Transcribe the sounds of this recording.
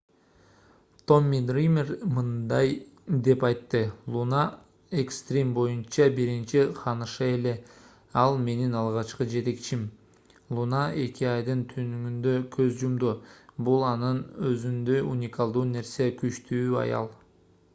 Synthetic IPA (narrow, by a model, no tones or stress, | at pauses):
t̪o̞mʲːid̪rimʲermɯnd̪ɑjd̪e̞pɑjt̪ːɯlˠuna | ekst̪rʲimbo̞junt͡ʃɑbiɾint͡ʃiqʰɑnɯʃɯe̞le̞ | ɑlˠme̞ninɑlˠʁɑt͡ʃqɯd͡ʒe̞t̪e̞kt͡ʃim | lˠunaʔe̞kʲiɑjd̪ɯnt̪ʰynyŋynd̪ø̞kʰø̞zd͡ʒumd̪ubulˠɑnɯnøzynd̪ø̞junʲikalˠd̪uːne̞ɾsijekyʃt̪ʰyːɑ̰jɑ̰lˠ